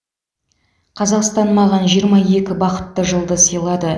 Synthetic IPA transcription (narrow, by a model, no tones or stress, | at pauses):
qʰɑzɑqst̪ɑnmɑʁɑnʒijəɾmɑje̞kʲɪbɑqə̥t̪ːəʒəlˠd̪əsəjlˠɑd̪ə